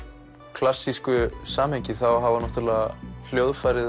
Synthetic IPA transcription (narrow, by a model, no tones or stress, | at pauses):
kʰlasːiskʏsaːmheɲcɪθawɦavanɔht̪ʏɾlɛːɣal̥jowðfajɾɪð